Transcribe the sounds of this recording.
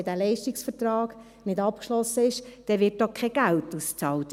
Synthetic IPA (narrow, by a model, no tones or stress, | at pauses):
dæːlɛɪʃtɪksfətrɑːɡ̥ | nɪdɑp̚kʃlɔsːəɪʃd̥ɛʋɪt̚ːɔχkʰːɛɡ̥æltust͡sɑːlt